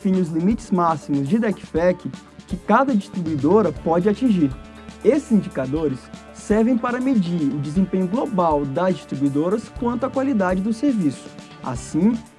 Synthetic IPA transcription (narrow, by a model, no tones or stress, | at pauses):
fĩniʊzlimit͡ʃɪzmasimʊzd͡ʒɪd̪ɛkfɛkɪ | kɪkad̪ɐd͡ʒist̪ɾibuid̪oɾɐpɔd͡ʒɪat͡ʃĩʒiɾ | esɪzĩd͡ʒikad̪oɾɪsː | ɛɾvẽj̃paɾɐmed͡ʒiʊd͡ʒɪzẽpẽɲʊɡlobawd̪ɐzd͡ʒist̪ɾibuid̪oɾɐskwɐ̃nt̪ʊakwalid̪ad͡ʒɪd̪ʊseɾvisʊ̥ | a̰sĩ